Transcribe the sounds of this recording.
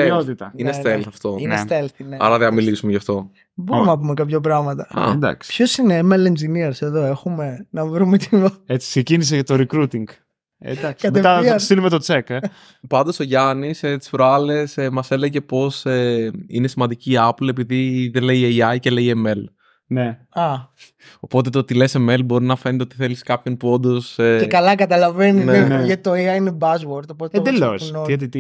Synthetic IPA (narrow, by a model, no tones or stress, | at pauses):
eot̪it̪ɐinest̪elθɐft̪o̞inest̪elθineɐ̰ɾɐðeɐmilisumeʝɐft̪o̞ | boɾumnɐp̬umekɐpçɐp̬ɾɐɣmɐt̪ɐɐ̰d̪ɐ̰kspçosineːmelend͡ʒiniɐɾse̞ðoexume̞nɐvɾumet̪imɐet͡si̥ksecinis̬eʝɐt̪oɾekɾut̪iŋɡ | ḛd̪ɐkskɐmet̪ɐst̪ilumet̪ot͡seke | pɐnd̪oso̞ʝɐniset̪i̥sfɾoɐle̞smɐse̞le̞ʝe̞po̞seine̞simɐnd̪iciːɐple̞piðiðeleieiɐjce̞le̞ieme̞l | ne | ɐ | o̞po̞t̪̬e̞t̪ot̪ilese̞melbo̞ɾinɐfe̞nit̪ot̪iθe̞liskɐpço̞npuo̞nd̪o̞seekɐlɐkɐt̪ɐlɐvenineeeʝɐt̪it̪oeɐinebɐzwoɾt̪opot̪ed̪elosit̪it̪